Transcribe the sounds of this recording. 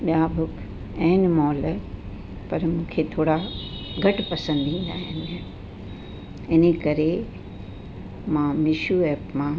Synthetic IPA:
ɓjaːbʱʊkʰ | ɛ̃ːnmɔːl | pɐɾmũːkʰet̪ʰoːɽaɡʱɐʈpɐsə̃nd̪ʱĩːn̆d̪aːɦɪn | ɪnekɐɾe | mãːmɪʃuɛːpmã

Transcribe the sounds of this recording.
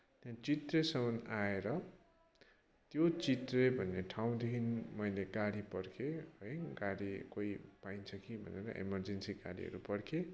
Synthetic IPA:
t̪jãt͡sit̪resʌmʌnaeɾʌ | t̪jot͡sit̪rebʱʌnːeʈʰaw̃d̪ekʰinmʌjleɡaɽipʌrkʰeʌjɡaɽikoipaint͡sʰʌkibʱʌ̰neɾʌ̰ʔḛmʌrd͡zensiɡa̰ɾḭɦʌ̰ɾupʌɽkʰe

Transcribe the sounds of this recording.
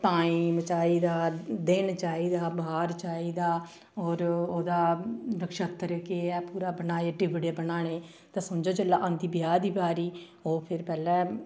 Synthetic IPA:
t̪ãːiːmət͡ʃaːiːd̪aːd̪ɪnt͡ʃaːiːd̪aːbaːɾt͡ʃaːiːd̪aː | ɔːɾoːd̪aːɾəkʃət̪əɾkeɛːpuːɾaːbənaːeːʈɪʋɽeːbənaːɽ̃eː | t̪ɛːsəmd͡ʒoːt͡ʃəlːaːʔə̃nd̪iːbɪjaːd̪iːbaːɾiː | oːpʰɪɾpɛːlɛː

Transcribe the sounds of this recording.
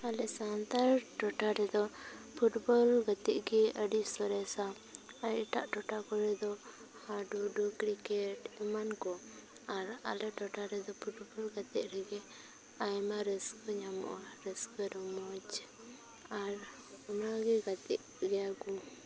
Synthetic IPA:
alɛsant̪aɾʈɔʈaɾɛd̪ɔpʰuʈbɔlɡət̪iʔɡɛəɖiʔsɔɾɛsa | ajɛʈaʔʈɔʈakɔɽɛd̪ɔ | haɖuɖukɾikɛʈmankɔ | aɾa̰lɛʈɔʈaɾɛd̪ɔpʰuʈbɔlɡat̪ɛʔ̚ɾɛɡɛ | ajmaɾɛskɔɲamɔ̰ʔɾɛskɔɾɔmɔd͡ʒ | aɾ | ɔnaɡɛɡat̪ɛ̰ʔ | ɡɛaɡu

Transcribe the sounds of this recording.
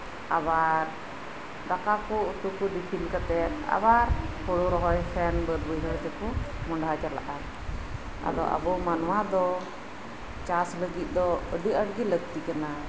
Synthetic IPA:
a̰baɾ | dakakɔut̪ukuɖipʰilkat̪ɛt̪̚a̰baɾpɔɽuɾɔɦɔjpʰɛnbəd̪bəjɦɔjt̪ɛkumɔɳɖɦad͡ʒala̰ʔan | a̰d̪ɔ̰ʔa̰bɔmanwad̪ɔ | t͡ʃasləɡit̪̚ˀd̪ɔəɖiəɽɡiləɡ̚t̪ikana

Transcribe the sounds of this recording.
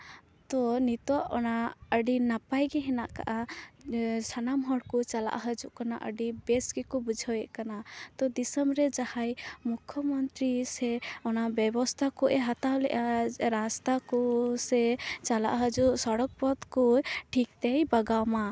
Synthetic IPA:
t̪ɔnit̪ɔʔɔnaəɖinapajɡɛɦɛnaʔka̰ʔa | sʰanamɦɔɽkɔt͡ʃala̰ʔɦəd͡ʒuʔkana̰ʔəɖibɛsɡɛkɔbud͡ʒʱawɛʔkanat̪ɔd̪isəmɾɛd͡ʒahajmukʰːɔmɔnt̪ɾisɛɔnabɛbɔst̪ʰakɔʔɛɦat̪awlɛ̰ʔaɾast̪akɔsɛt͡ʃala̰ʔɦəd͡ʒuʔsɔɽɔk̚pɔd̪kɔʈʰik̚t̪ɛjbaɡawma

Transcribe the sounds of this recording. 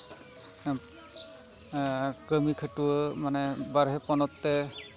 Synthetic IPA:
kɹəmikʰatumanɛbaɹɦɛpɔnɔtːɛ

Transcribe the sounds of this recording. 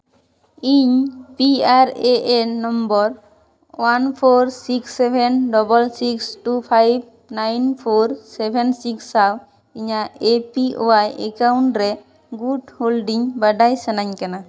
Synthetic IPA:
iɲpiaɾeʔenɔmbɔɾ | wanpʰoɾsiksebʱenɖɔbɔlsiksʈupʰajb̚ | najnpʰoɾsebʱensiksːaw | iɲaepiʔo̰ajekawɳʈɾɛ | ɡuɖholɖiŋbaɖajsanaɲkɛna

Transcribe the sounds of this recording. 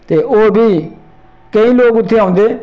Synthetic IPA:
t̪eːʔoːbʱiː | kə̃ĩːloːkʊt̪ʰːeãːʊ̃nd̪eː

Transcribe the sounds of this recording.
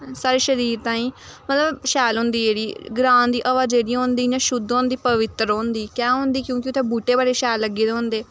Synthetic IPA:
saːɾeːʃəɾiːɾt̪ãːĩːmət̪ləbʃɛːlɦʊ̃ːnd̪iːeːɽiːɡɾãːnd̪iːʔəʋaːd͡ʒeːɽiːɦõːnd̪iːnãːʃʊd̪õːnd̪iːpəʋɪt̪ːɾõːnd̪iːkɛ̃ːɦõːnd̪iːkjõːkɪʊt̪ʰːẽːbuːʈeːbaːɽeːʃɛːlːəɡiːd̪eɦõːnd̪eː

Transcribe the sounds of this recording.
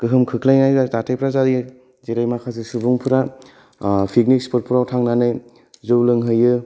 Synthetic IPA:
kɯɦɯmkʰɯkʰlajnajzatatʰajpʰɾazadi | zeɾajmakʰas̬esubuŋpʰɯɾa | pʰik̚nikspɯɾpʰuɾawtʰaŋnanɯj | zɯwlɯŋɦɯjɯ

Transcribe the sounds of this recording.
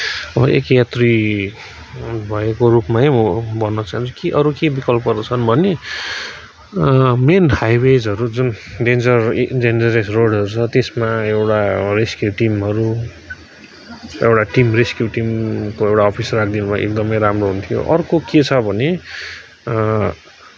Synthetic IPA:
ʌbʌʔekjat̪ri | bʱʌekorupmaɦebʌnːʌt͡saɦint͡sʰu̥kiʔʌɾukebikʌlp̚ɡʌrd̪ʌt͡sʰʌnbʱʌne | menhajwed͡zʌɾud͡zunɖend͡zʌrd͡zend͡zʌɾesroɽʌɾut͡sʰʌt̪esmaewʈareskjuʈimɦʌɾu | ewʈaʈimreskjuʈimkoewʈaɔpʰisrak̚ʰd̪inubʱʌ̰ḛk̚d̪ʌmʌjɾamroɦunt̪ʰijo̰ʔʌrkoket͡sʰʌbʱʌne

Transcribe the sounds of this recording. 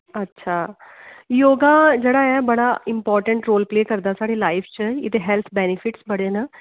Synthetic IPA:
ətːʃʰaː | joːɡaːd͡ʒeːɽaːɛːbəɽaːɪmpɔːɾʈəɳʈɾoːlpleːkəɾd̪aːsaːɽeːlaːɪpʰt͡ʃəɪt̪eɦɛlt̪ʰbɛːnɪpʰɪʈsbəɽeːnə

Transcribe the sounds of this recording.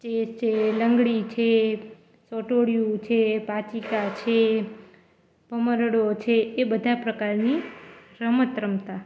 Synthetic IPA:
t͡ʃest͡ʃʰeləŋɡɭit͡ʃʰe | sɔʈoɽjũt͡ʃʰepat͡ʃikat͡ʃʰe | pəməɾəɽot͡ʃʰeːbəd̪ʱapɾəkaɾniɾəmət̪ɾəmt̪a

